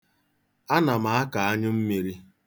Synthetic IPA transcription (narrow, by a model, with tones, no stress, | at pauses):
a˦na˨ma˨a˦ka˨a˦ɲʊ˦m̩˦mi˨ɾi˦